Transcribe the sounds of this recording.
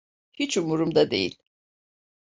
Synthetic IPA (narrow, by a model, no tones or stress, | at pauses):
hit͡ʃumuɾumd̪ad̪ḛjḭlʲ